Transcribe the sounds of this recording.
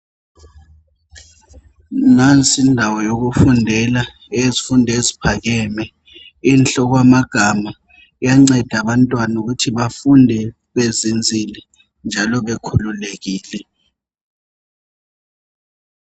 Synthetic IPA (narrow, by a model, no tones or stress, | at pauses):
nant͡sʼindʱawɔjok̬ufundʱɛla | ezifundʱezipʰak̬ɛmɛ | iːnt͡ɬɔk̬wamaɡ̥ʱama | jaŋ͡ǀɛd̥ʱaɓantʼwanuk̬utʰiɓafundʱɛ | ɓezind͡zʱilɛ | nd͡ʒʱalɔɓekʰululek̬iːlɛ